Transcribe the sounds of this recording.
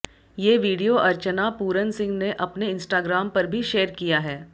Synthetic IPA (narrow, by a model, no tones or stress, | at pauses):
jeːʋiːɖijoʔɐɾt͡ʃənapuːɾənsɪ̃ŋɡneʔɐpneɪ̃nsʈaːɡɾaːmpɐɾbʱiʃeːəɾkijaɦɛː